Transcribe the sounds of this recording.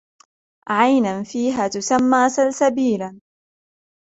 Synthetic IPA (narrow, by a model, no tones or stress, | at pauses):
ʕajnanfiːɦaːt̪ʊsamːaːsalsabiːlan